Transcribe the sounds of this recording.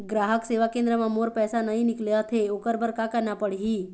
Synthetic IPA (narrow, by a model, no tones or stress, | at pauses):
ɡɾaɦəkseʋakẽnd̪ɾəmãmoɾpɛsanəɦĩnɪkljaɦt̪ʰeokəɾbəɾkakanapəɽ̤ɦi